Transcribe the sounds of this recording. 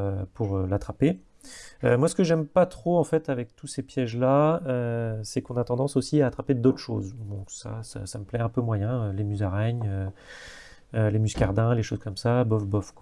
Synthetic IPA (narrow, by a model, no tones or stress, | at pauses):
pʰuʁølat̪χape | ømwasə̥kəʒɛmpat̪χoɑ̃fɛt̪avɛk̚t̪usepjɛʒlaøsɛkɔ̃nat̪ɑ̃d̪ɑ̃sosiaːt̪χaped̪ot̪χʃo̰zd̪ɔ̃ksa̰sa̰saməplɛɛ̃pømwajɛ̃ølemyzaʁɛɲø | lemyskʲaʁd̪ɛ̃leʃozkɔmsabɔfbɔfkwa